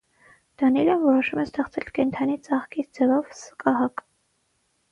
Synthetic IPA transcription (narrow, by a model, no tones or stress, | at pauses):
d̪̥ɑnilənvɔɾɔʃumɛst̪ɛχt͡sʰɛlkɛnt̪ʰɑnit͡sɑχkit͡sd͡zɛvɔvsə̥kɑɦɑk